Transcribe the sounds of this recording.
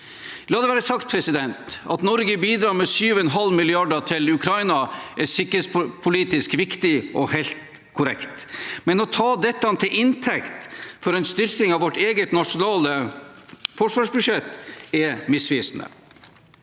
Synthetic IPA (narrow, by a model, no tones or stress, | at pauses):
lɑːd̪ɛʋæːɾəsɑkt̪̚pʰɾɛsɪd̪ɛnt̪ɑ̰t̪nɔɾɡəbiːd̪ɾɑːɾmɛsyːʋɛnɦɑlmɪlɪɑɖəʈʰɪlʉkʰɾɑɪnɑʔæsɪkːɾeːt̪spʰʊliːt̪ɪskʋɪkt̪ɪʔɔhæɪlt̪ | kʰʊɾɛkt̪mɛnɔt̪ʰɑːd̪ɛt̪ːɑnt̪ʰɪlɪnt̪ʰɛkt̪fɔɾɛɪnst̪ʏɾk̪ɪŋɑʋɔʈːeːɡət̪nɑʂʊnɑːlə | fɔʂʋɑːʂbʉʂɛt̪ːɛmɪsʋiːsn̩ə̰